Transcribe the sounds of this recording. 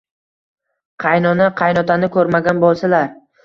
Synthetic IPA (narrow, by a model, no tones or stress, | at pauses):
qʰɑjnɒnaqʰɑjnɒt̪ʰanɪkʰɵɾmaɡʲanbolˠsalaɾ